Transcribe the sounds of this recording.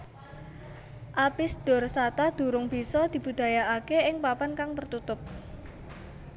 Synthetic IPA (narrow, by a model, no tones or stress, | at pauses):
ʔapisd̥ɔ̤rsat̪ad̪̥ṳɾʊŋb̥i̤sɔd̪̥i̤b̥ṳd̪̥a̤jaakeʔɪŋpapankaŋt̪ərt̪ut̪ʊp̚